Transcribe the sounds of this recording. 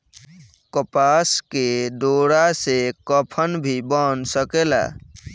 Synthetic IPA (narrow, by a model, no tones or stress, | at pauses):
kəpasked̪oɾasekəpʰənbʱibənsəkela̰